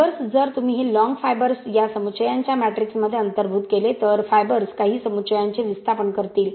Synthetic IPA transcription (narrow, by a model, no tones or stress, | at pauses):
əɾsd͡zəɾt̪um̤iːɦelɔ̃ŋɡfajbəɾsjasəmut͡ɕəjaɲt͡ɕjamæʈɾiksməd̪ʱːjeənt̪əɾbʱuːt̪kelet̪əɾfajbəɾskaɦiːsəmut͡ɕəjaɲt͡ɕeʋist̪ʰapənkəɾt̪iːl